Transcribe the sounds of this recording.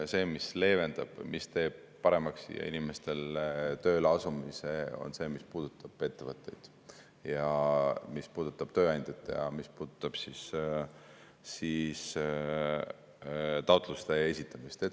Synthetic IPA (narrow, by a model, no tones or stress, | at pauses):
se̞ːmisle̞ːve̞nd̪̥ɑb̥mist̪e̞ːb̥̚ | pɑɾe̞mɑksjɑ̰ḭnime̞st̪e̞lt̪ø̞ːlɑsumise̞o̞̰nse̞ːmispuːd̪̥ut̪ːˑɑb̥e̞t̪ːe̞vət̪ːˑe̞̰jd̪̥ | jɑmispuːd̪̥ut̪ːˑɑb̥̚t̪ø̞ːɑnd̪̥ʲet̪ːˑejɑ̰mispuːd̪̥ut̪ːˑɑb̥sis | sis | t̪ɑwt̪ˑlust̪ee̞sʲit̪ːˑɑmist̪e